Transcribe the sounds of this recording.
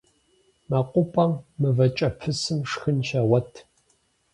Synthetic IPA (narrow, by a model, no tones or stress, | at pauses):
mɐqʷʼʊpʼɐmmɨvɐt͡ʃʼɐpʰɨsɨmʂxɨnʃɐwɐtʰ